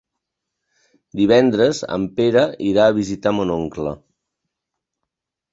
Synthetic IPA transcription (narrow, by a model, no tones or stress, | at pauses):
d̪iβ̞ɛnd̪ɾəzə̰mpeɾəiɾaːβ̞izit̪amonoŋklə